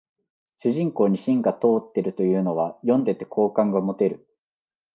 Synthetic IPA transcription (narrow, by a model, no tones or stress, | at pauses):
ɕɨʑĩŋko̞ːɲ̟iɕĩŋɡat̪o̞ːt̪ːe̞ɾɯ̟t̪o̞jɯ̟ːno̞β̞ajõ̞nd̪e̞t̪e̞kʰo̞ːkãŋɡamo̞t̪e̞ɾɯ̟